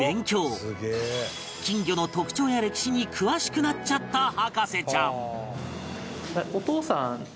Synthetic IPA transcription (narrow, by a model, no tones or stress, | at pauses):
ẽ̞ŋkʲo̞ːsɨɡe | kʲĩŋɡʲo̞no̞t̪o̞kɯ̟̥t͡ɕo̞ːjaɾe̞kʲi̥ɕiɲ̟ikʰɯ̟βaɕi̥kɯ̟nat͡ɕat̪ːahakase̞t͡ɕãŋ | aot̪oːsãŋ